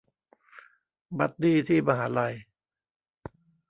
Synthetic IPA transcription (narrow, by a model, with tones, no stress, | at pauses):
ba˦˥t̪̚diː˥˩t̪ʰiː˥˩ma˧˩ɦaː˩˦la˧j